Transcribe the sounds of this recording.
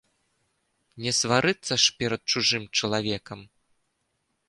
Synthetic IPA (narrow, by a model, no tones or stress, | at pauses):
nʲɛsvaɾɨt̪sːɐʂpʲɛɾɐt̪̚t͡ʂuʐɨmt͡ʂɐlˠavʲɛkɐm